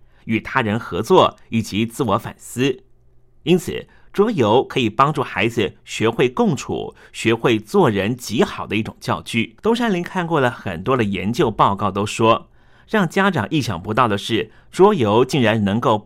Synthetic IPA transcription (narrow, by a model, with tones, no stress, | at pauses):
y˨˩t̪ʰa˥ɻə˧˥nxɤ˧˥t͡swɔ˥˩i˨˩t͡ɕi˧˥t͡sɹ̩˥˩wɔ˧˥fa̰˨˩nsɹ̩˥ | i˥nt͡sʰɹ̩˨˩ | ʈ͡ʂwɔ˥jo˧˥ʊkʰɤ˧˥i˨˩pɑ˥ŋʈ͡ʂu˥˩xa˧˥ɪd͡zɹ̩˥˧˩ɕɥɛ˧˥xwe˥˧ɪkʊ˥˧ŋʈ͡ʂʰṵ˨˩ɕɥɛ˧˥xwe˥˧ɪt͡swɔ˥˩ɻə˧˥nt͡ɕi˧˥xɑ˨˩ʊd̪ə˦i˥˩ʈ͡ʂʊ̰˨˩ŋt͡ɕjɑ˥˧ʊt͡ɕy˥˩t̪ʊ˥ŋʂa˥nli˧˥nkʰa˥˧nkwɔ˥˩lə˩xə̰˨˩nt̪wɔ˥d̪ə˨˩jɛ̰˧˥nt͡ɕjo˥˧ʊpɑ˥˧ʊkɑ˥˩ʊt̪o˥ʊʂwɔ˥ | ɻɑ˥˩ŋt͡ɕja˥ʈ͡ʂɑ˨˩ŋʔi˥˩ɕjɑ̰˨˩ŋpu˧˥t̪ɑ˥˩ʊd̪ə˩ʂɻ̩˥˩ | ʈ͡ʂwɔ˥jo˧˥ʊt͡ɕi˥˩ŋɻa˧˥nnɤ˧˥ŋko˥˩ʊ